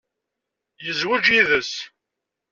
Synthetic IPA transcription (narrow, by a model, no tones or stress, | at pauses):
jəzwəd͡ʒiðəs